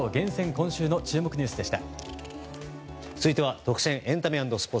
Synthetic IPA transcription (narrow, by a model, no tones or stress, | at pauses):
ɡẽ̞sẽ̞ŋkõ̞ɰ̃ɕɨːno̞t͡ɕɨːmo̞kɯ̟ɲ̟ɨ̟ːsɨd̪e̞ɕi̥t̪a̰ | t͡sɨit̪eβat̪o̞kɯ̥ɕẽʔẽ̞nt̪amʲiãnd̪o̞sɨ̥poː